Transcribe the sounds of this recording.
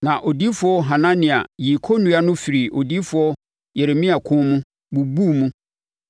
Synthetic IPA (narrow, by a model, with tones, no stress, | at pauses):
nã˨ʔo˨di˦fʊ˨˦ɔ˦ɦã˨nã˦nɪ̃˨a̰˨ji˨kʰo˦nũ˦a˦nʊ̃˦fɪ˨ɾi˨ʔo˨di˦fʊ˨ɔ˦ | jɛ˨ɾe˨mĩ˦a˨kʰʊ̃˦mũ˦ | bu˨bu˦˨mũ˦